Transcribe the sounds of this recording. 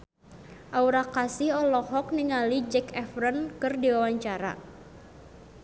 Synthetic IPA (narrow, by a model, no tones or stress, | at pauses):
ʔauɾakasiɦɔlɔhɔk̚niŋalid͡ʒɛkɛfɾənkɨrdiwawaɲt͡ʃaɾa̰